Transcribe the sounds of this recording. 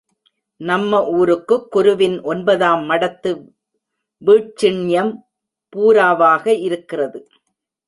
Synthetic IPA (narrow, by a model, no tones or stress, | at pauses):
nɐmːɐʔuːɾɯkːɯkːʊɾɯʋɪnʔɔnbɐðaːmːɐɽɐt̪ːɯ | ʋiːʈ̚t͡ʃɪɳjɐm | puːɾaːʋaːɣɐʔɪɾɯkːɪrɐðɯ